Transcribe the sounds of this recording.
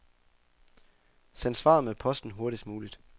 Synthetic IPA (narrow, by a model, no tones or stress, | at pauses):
sænsʋɑ̰̈ːmepʰɒ̽sd̥n̩ɦo̝ɐɾisd̥muːlid̥